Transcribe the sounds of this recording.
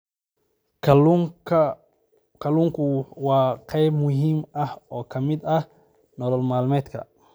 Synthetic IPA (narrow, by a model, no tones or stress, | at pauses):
k | kʰɐluːŋkʰʊwɑːqʰɛjbmʊɦiːmɐhɔːkʰɐmɪd̪ɐh | nɔlɔlmaːlmɛːd̪kʰɐ̰